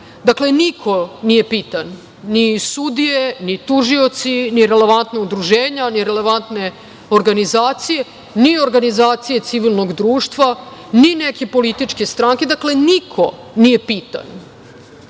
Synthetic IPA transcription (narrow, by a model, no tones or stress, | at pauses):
d̪akle̞nikʰo̞nije̞piːt̪anː | isud̪ijenit̪uʒio̞t̪siniɾe̞le̞ʋant̪naud̪ɾuʒeːɲaniɾele̞ʋant̪ne̞ | oɾɡanizaːt̪sije̞ | nioɾɡanizaːt̪sije̞t̪siʋilˠnoɡd̪ɾuːʂt̪ʋanineke̞po̞lit̪it͡ʂke̞st̪ɾaŋke̞d̪akle̞nikʰo̞ | nije̞piːt̪a̰n